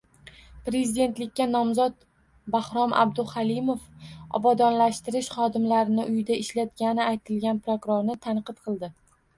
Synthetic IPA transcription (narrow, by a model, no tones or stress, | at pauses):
pɾe̞zɪd̪e̞nt̪lɪkʲːanɒmzɒt̪̚ | bahɾɒmʔa̰bd̪ʊhalɪmofɒ̰bɒd̪ɒnlaʃt̪ɪɾɪʃχɒd̪ɪmlaɾɪnɪʔʊjɪd̪aɪʃlat̪ɡʲanɪajt̪ʰɪlɡʲanpɾokʊɾoɾnɪt̪ʰanqɨt̪̚qʰɨlˠd̪ɪ